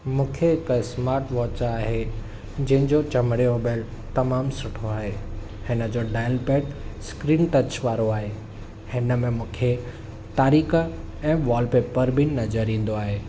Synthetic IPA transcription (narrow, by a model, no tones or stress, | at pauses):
mũːkʰeɦɪksmaːɾʈʋɔːt͡ɕaːɦe | d͡ʑɐ̃ɦɪ̃ɲd͡ʑot͡ɕɐməɽioːbeːlt̪ɐmaːmsʊʈʰoaːɦeː | hɪnə̆d͡ʑoɖaːɪlpeːʈskɾiːnʈɐt͡ɕʋaːɾoaːɦe | hɪnə̆mẽmũːkʰe | t̪aːɾiːkə | ɛ̃ːʋɔːlpeːpːɐɾbʱɪnɐzəɾĩːn̆d̪oaːɦeː